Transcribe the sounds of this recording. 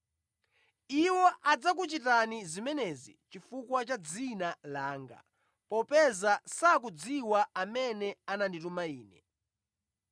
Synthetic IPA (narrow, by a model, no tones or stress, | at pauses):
iwɔʔad͡zak̬ut͡ʃitanizimɛnɛzḭt͡ʃifukwat͡ʃad͡zinalaːŋɡa̰ | pɔpɛzasak̬ud͡ziwaamɛnɛananditumaiːnɛ̰